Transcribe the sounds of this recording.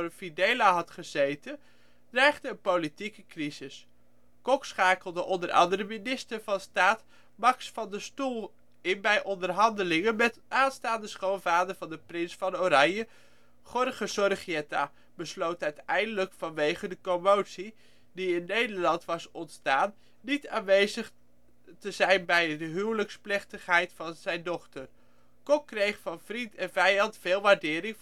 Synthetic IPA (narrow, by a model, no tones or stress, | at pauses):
fidejlaɦɑtχəzejtən | d̥rɛjχdəənpowlitikəkrizɪs | kɔksχaːkəlˠdəʔɔndəɾʔɑ̰ndəɾəminɪstəɹvɑnstaːt | mɑksfɑndəstulˠ | ɪnbɛjʔɔndərɦɑndəlɪŋənmɛtaːnstaːndəsχownvaːdəɹvɑndəprɪnsfɑnoɾɑɲə | χɔrχəsɔrχiɛta̰ | b̥əslowtœɥtɛjndələkfɑnʋejχədəkomowtsi | diɪnːejdəɹlɑntʋɑsɔntstaːnː | itaːnʋejzəχ | təzɛjnbɛjdəɦywləksplɛχtəχɦɛjtfɑnz̥ɛjndɔχtər | kɔkːrejχfɑnv̥rintɛnvɛjɑntfɪːlˠʋaːɹdɪːɾɪŋ